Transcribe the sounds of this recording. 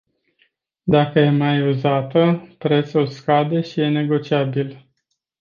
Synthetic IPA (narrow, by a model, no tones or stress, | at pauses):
d̪akəje̞majuzat̪əpɾe̞t̪sulskad̪e̞ʃije̞ne̞ɡo̞t͡ʃiabil